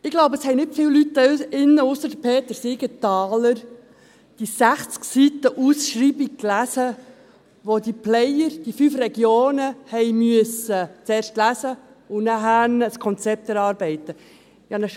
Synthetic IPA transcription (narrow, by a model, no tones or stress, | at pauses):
ɪɡ̥loʊbəəshɛɪnɪtfɪːlwlytːɪnːəʊsəɾd̥əpʰeːt̪əɾsɪɡətɑːləɾ | d̥isæχt͡sksit̪əʔusʃɾiːbik̚klæsə | ʋod̥̪iplɛjəɾd̥ifyfrɛɡjoːnəhɛɪjmyəsət͡seːɾʃtlæsə | ʊnæɦænəskʰɔnt͡sɛp̚t̪ɛɾɑːɾb̥ɛɪt̪ə | ɪjɑnə